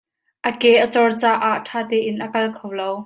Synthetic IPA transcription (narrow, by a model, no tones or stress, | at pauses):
ʔɐkɛːʔət͡sɔrt͡saːʔaːʔʈʰaːt̪ɛːʔɪnʔɐkɐlkʰowlow